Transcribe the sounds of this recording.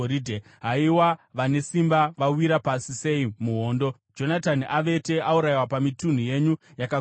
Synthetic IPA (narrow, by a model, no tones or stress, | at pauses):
oɾiːdʱe | ɦaiwaʋane̞simbaʋawiɾapasise̞imuɦo̞ːndo̞ | d͡ʒo̞nataniʔaʋe̞te̞ʔauɾaiwapamitun̤uje̞ɲujaka